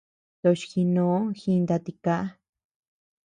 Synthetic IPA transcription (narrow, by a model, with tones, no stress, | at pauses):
t̪o˧ʃxi˧nõ˧˦xi˧nd̪a˧t̪i˧ka˦ʔa˦